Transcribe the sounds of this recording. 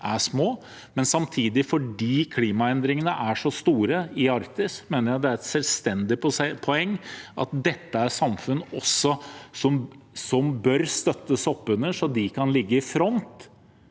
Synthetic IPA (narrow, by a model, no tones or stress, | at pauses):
ʔæʂmoː | mɛnsɑmt̪ʰiːd̪ɪfɔɖiːkʰliːmɑɛnd̪ɾɪŋənəʔæʂɔst̪uːɾəɪɑɾkt̪ɪsmeːnəɾæd̪ɛæɾɛt̪sɛlst̪ɛnd̪ɪppʰɔɛŋːʔɑ̰t̪̚d̪ɛt̪ːəæɾʂɑmfʉnːɔsːɔsɔm | sɔmbœɾst̪œt̪ːəsɔpːʉnəʂɔd̪ɪkʰɑnlɪɡːəɪfɾɔnt̪